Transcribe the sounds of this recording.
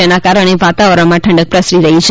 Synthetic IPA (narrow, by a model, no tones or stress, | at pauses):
enakaɾəɽ̃eʋat̪aʋəɾəɳmãʈʰə̃ɳɖək̚pɾəsɾiɾəɦit͡ʃʰ